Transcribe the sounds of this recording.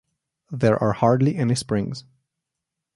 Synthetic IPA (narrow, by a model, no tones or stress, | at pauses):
ðəɹʔa̰ɹhɑɹdˡliʔɛnispɹɪ̃ŋz̥